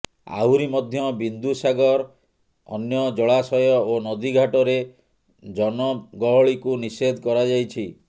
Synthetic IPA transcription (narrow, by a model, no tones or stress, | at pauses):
a̰wɾimɔd̪ʱjɔbind̪usaɡɔɾ | ɔ̰njɔd͡ʒɔɭasɔjɔonɔd̪iɡʱaʈɔɾe | d͡ʒɔnɔɡɔɦɔɭikunised̪ʱɔkɔɾad͡ʒajt͡ʃʰi